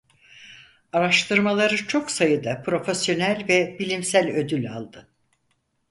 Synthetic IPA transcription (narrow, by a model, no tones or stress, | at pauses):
aɾaʃt̪ʰɯɾmalˠaɾɯt͡ʃʰo̞ksajɯd̪apʰɾo̞fesjo̞nælʲvɛbilʲimsælʲø̞d̪ylʲa̰lˠd̪ɯ